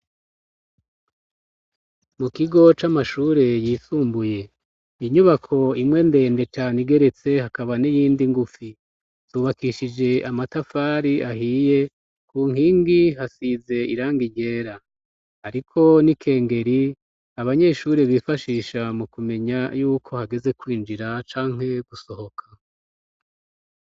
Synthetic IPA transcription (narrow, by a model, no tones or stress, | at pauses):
mukiɡo̞t͡ʃamaʃuːɾe̞jiːsuːmbuje̞ | iɲuβakʰo̞imŋe̞nde̞ːnde̞t͡ʃaniɡe̞ɾe̞t͡se̞hakaβanijiːndiŋɡufi | tuːβakiʃid͡ʒe̞amatafaːɾiʔaɦiːje̞ | kʰuːŋhiːŋɡihasize̞iɾaːŋɡiɟe̞ːɾa | haɾikʰo̞nikʰe̞ːŋɡe̞ɾi | aβaɲe̞ʃuɾeβiːfaʃiːʃamukume̞ɲajuːkʰo̞haɡe̞ze̞kwiːnd͡ʒiɾat͡ʃaːŋ̥he̞ɡ̥uso̞ho̞kʰḁ